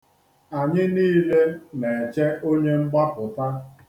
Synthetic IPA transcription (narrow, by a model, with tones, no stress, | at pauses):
a˨ɲɪ˦niː˦le˦ne˨e˨t͡ʃe˦o˦ɲe˦ŋ͡m̩˦ɡ͡ba˦pʊ˨ta˦